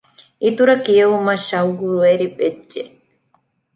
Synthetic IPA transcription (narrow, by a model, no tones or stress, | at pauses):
ʔit̪uɾɐkiɐumɐʃɐuɡuɾueɾibed͡ʒːe